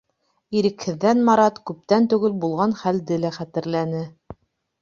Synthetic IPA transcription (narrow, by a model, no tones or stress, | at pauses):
iɾɘ̆khɘ̆ðːænmɑɾɑt̪kʉp̚t̪ænt̪ʉɡɘlbulˠʁɑnχæld̪ɘlæχæt̪ɘ̆ɾlænɘ